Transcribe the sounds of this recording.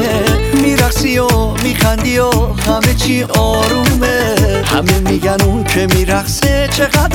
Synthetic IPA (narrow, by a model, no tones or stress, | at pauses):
emiɾaχsijɔ | mixand̪ijɔhamet͡ʃʰiʔɔːɾumeha̰memiɡænukʰemiɾaχset͡ʃʰeɣad̪